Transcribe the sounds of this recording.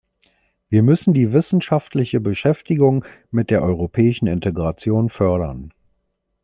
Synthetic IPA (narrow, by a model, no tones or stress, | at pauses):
viːɐmʏsn̩diːvɪsn̩ʃaftlɪçəbəʃɛftɪɡʊŋmɪt̚d̥eːɐʔɔʏʁ̞opʰɛːɪʃn̩ɪntʰeɡʁat͡sjoːnfœɐɾɐn